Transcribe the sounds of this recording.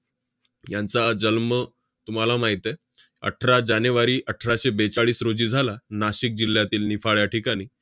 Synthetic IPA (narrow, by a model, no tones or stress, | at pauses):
jant͡sad͡zəlmə | t̪um̤alamaɦit̪e | ə̰ʈʰɾad͡ʑanʋaɾiːʔəʈʰɾaɕebet͡ɕaɭiːsɾod͡ʑiːd͡zʱalanaɕik̚d͡ʑil̤ːjat̪iːlnifaɭjaʈʰikaɽ̃iː